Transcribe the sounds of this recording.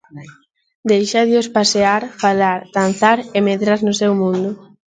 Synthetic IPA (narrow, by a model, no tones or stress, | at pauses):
d̪ejʃaðɪospaseaɾfalaɾd̪̥an̟θaɾemeðɾaɾnʊsewmũnd̪ʊ